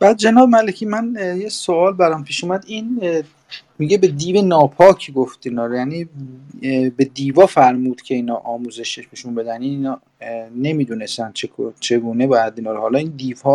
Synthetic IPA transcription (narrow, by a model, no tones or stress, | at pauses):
b̥æːd̪̚d͡ʒenɒːbemælecʰiːmænjesoɒːlbæɾæmpʰiːʃumæd̪in | miɟe̞be̞d̪iːve̞nɒːpʰɒːcʰɡoft̪iːnɒːɾojæniː | be̞d̪iːvɒːfæɾmuːd̪̥cʲʰe̞iːnɒːʔɒːmuze̞ʃeʃneʃunbe̞d̪æniinɒː | ne̞miːd̪une̞st̪ænd̪̥̚t͡ʃʰekʰot͡ʃʰe̞ɡuːne̞bɒːjæd̪iːnɒːɾohɒlɒːind̪iːvhɒ